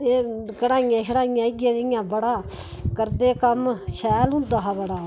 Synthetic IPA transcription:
eːkəɽaːɪjãːʃəɽaːɪjãːɪɡjãːɪjãːbəɽaː | kəɾd̪eːkəmʃɛːlɦʊ̃nd̪aːɦaːbəɽaː

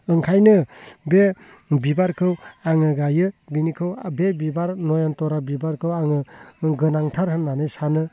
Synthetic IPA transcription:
ɯŋkʰajnɯbe | bibaɾkʰɯwaŋɯɡajɯbinikʰɯwbebibaɾnɔjɔntɔɾabibaɾkʰɯwaŋɯɡɯnaŋtʰaɾɦɯnːanɯjsanɯ

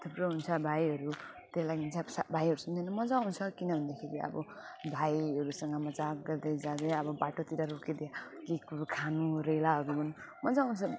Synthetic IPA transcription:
t̪ʰupɾoɦunt͡sʰʌbʱajʌɾu | t̪elaɡiɦunt͡sʰʌsabʱaiɦʌɾusʌnd̪ʌnʌmʌd͡zawnt͡sʰʌkinʌbʱʌnd̪akʰeɾiʌ̰bʌ | bʱajʌɾusʌŋɡʌmʌd͡zakɡʌrd̪ʌd͡zad̪eʌbʌbaʈot̪iɾaɾoked̪jakikkʰanuɾelaɦʌɾuɦun | mʌd͡zaw̃nt͡sʰʌ

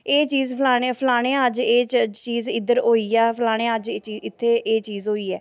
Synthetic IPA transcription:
eːt͡ʃiːzpʰlaːɽepʰəlaːɽ̃ẽːəd͡ʒeːt͡ʃiːzɪd̪əɾoːiːɛːpʰlaːɽ̃ẽːəd͡ʒiːɪt̪ʰːeːʔeːt͡ʃiːzɦoːiːɛː

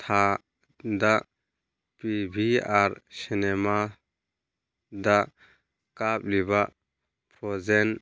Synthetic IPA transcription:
t̪ʰa | d̪aʔ | pibʱiaɾsinɛma | d̪aʔ | kap̚libaʔ | pʰɾɔzɛn

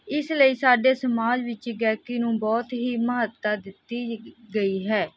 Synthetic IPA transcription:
ɪsləiːsaːɖeːsəmaːd͡ʒʋɪt͡ʃɡɛːkinũːbɔːt̪ɦiːməɦət̪ːaːd̪ɪt̪ːiːɡəiːɦɛː

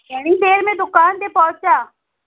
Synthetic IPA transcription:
eɽ̃id̪eːɾmẽd̪ʊkaːnd̪epɔːt͡ʃaː

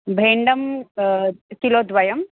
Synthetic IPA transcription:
bʱeːɳɖɐm | kiloːd̪ʋɐjɐm

